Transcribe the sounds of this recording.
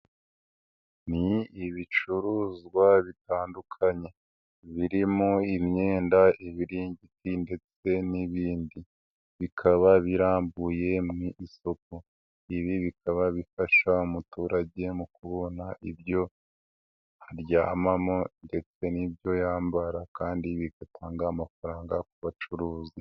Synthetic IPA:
niiβit͡ʃuɾuːzɡwaβitaːndukʰaɲe̞ | βiɾimoimɲeːndaiβiɾiɲɟitinde̞t͡se̞niβiːndi | βikʰaβaβiɾaːmbuje̞mŋiʔiso̞k̚o | iβiβikaβaβifaʃaumutuːɾaɟe̞mukuβo̞naʔibjo̞ | haɾjaːmamonde̞t͡se̞nibjo̞jaːmbaɾakaːndiβiɡ̥atʰaːŋɡaːmafaɾaːŋɡak̚uβat͡ʃuɾuːzi

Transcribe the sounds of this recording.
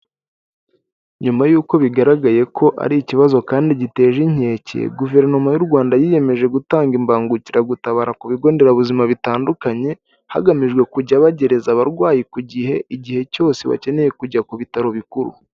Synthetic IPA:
ɲumajuːko̞βiɡaɾaɡaje̞kʰo̞ʔa̰ɾiiciβazo̞kaːndiɟite̞ːʒiɲ̥e̞ːcḛɡuve̞ɾno̞majuɾɡwaːndajiːje̞me̞ʒe̞ɡutaːŋɡimbaːŋɡuciɾaɡutaβaːɾakuβiɡo̞ːnde̞ɾaβuzimaβitaːndukaɲe̞ | ha̰ɡamiʒɡwe̞kuɟaβaɟe̞ɾe̞zaβaɾɡwaːjikuɟiɦe̞ʔiɟihe̞co̞ːse̞βa̰ce̞ne̞je̞kuɟakuβitaɾo̞βikuɾṵ

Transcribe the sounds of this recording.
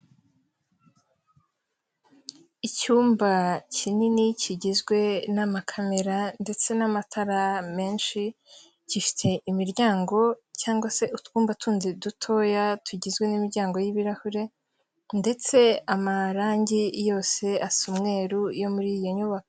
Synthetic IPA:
icuːmbacininicʰiɟizɡwe̞namakʰame̞ɾande̞t͡se̞namatʰaɾame̞ːnʃi | cifi̥tʰe̞ʔimiɾɟaːŋɡo̞caːŋɡwase̞ʔutkuːmbatʰuːnzedutʰo̞ːjatʰuɟizɡwe̞nimiɾɟaːŋɡo̞jiβiɾahuɾe̞ | nde̞t͡se̞amaɾaːɲɟijo̞ːse̞asumŋe̞ːɾujo̞muɾijo̞ɲuβakoo

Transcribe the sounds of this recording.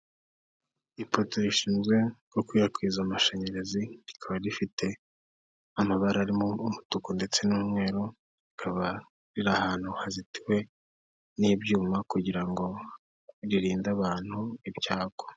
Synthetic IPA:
ipotoɾiʃiːnzɡwe̞ɡokwiːjakwiːzamaʃeɲe̞ɾe̞ziɾikʰaβaɾifitʰe̞ | amaβaɾaɾimoːmutukonde̞t͡se̞nuːmŋe̞ːɾo | ɾikʰaβa | ɾiɾahaːn̥huhaziti̥we̞ | niːbɟuːmakuɟiɾaŋɡo̞ | ɾiɾiːndaβaːn̥huibjaːɡ̥o

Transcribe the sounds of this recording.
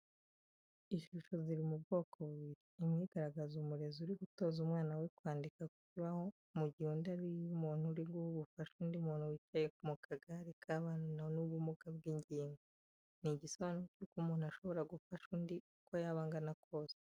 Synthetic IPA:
iʃuʃo̞ziɾimubɡo̞ːkʰo̞βiɾiːmŋiːɡaɾaɡazumuɾe̞zuɾiɡuto̞ːzumŋaːnawekwaːndikakuciβaho̞ | muɟihuːndaɾijumuːn̥huɾiɡuhuβufaʃuːndiumuːn̥huwiːt͡ʃaje̞kumukʰaɡaɾikʰaβannanuβumukab̚ɡiːɲɟiːŋɡo | niɟisoβanocuːkuːmuːnhuaʃo̞βo̞ɾaɡufaʃuːndiukojaβaːŋɡanakʰo̞ːse̥

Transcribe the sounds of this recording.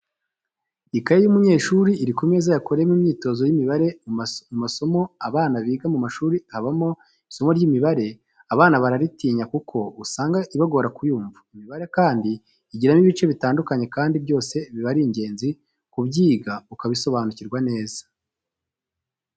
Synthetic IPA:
ikaɾejumuɲe̞ːʃuɾiːɾikome̞zajakoɾejemumɲiːto̞ːzo̞jimiβaɾe̞mumaso̞mo̞aβaːnaβiːɡamumaʃuːɾihaβamo | iso̞mo̞ɾɟimiβaɾe̞ | aβaːnaβaɾaɾitiːɲakukʰo̞usaːŋɡaʔiβaɡo̞ɾakujuːɱvaimiβaɾe̞kaːndiː | ɟiɾamiβit͡ʃe̞βitaːndukaɲe̞kaːndibjo̞ːse̞βiβaɾiːɲɟe̞ːnzi | kubɟiːɡaukaβiso̞βaːnuciɾɡwane̞ːzḁ

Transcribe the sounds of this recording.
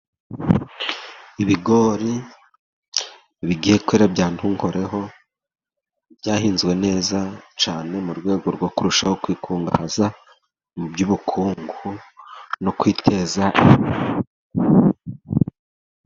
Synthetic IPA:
iβiɡo̞ːɾi | βiɡihe̞kweːɾabɟaːn̥huŋho̞ɾe̞ɦo̞ | bɟaːhiːnzɡwe̞ne̞ːzat͡ʃaːne̞muɾɡwe̞ːɡo̞ɾɡo̞kuɾuʃaho̞kwiːkʰuːŋɡa̰haza | mubɟuβukʰuːŋɡunokwiːtʰe̞ːzaʔi

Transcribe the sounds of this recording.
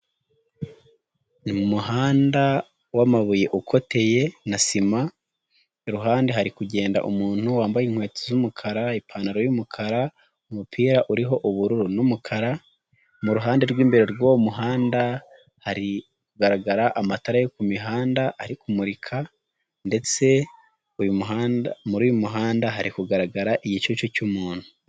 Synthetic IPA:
nimumuhaːnda | wamaβuje̞ʔukʰo̞te̞je̞nasima | ɾuɦaːndeɦaɾikuɟe̞ːnda̰ʔumuːn̥huwaːmbajiŋhwe̞ːt͡sozumukʰaɾaipʰaːnaɾojumukʰaɾa | umupʰiːɾaʔuɾiɦo̞ʔuβuɾuɾunumukʰaɾa | muɾuɦaːndeɾɡwiːmbe̞ɾeɾwomuɦaːnda | haɾi | kuɡaɾaɡaɾaʔamataɾajokumiɦaːndaʔaɾikumuɾikʰa | nde̞t͡se̞ | ujumuamuɾujumuɦaːndaɦaɾikuɡaɾaɡaɾaʔiɟit͡ʃot͡ʃocumuːn̥hu̥

